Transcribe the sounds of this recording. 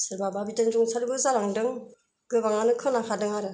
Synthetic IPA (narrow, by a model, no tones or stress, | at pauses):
sɯɾbababitɯnzuŋsʰaɾɯbɯzaɾaŋdɯŋ | ɡɯbaŋanɯkʰɯŋnakʰadɯŋaɾɯ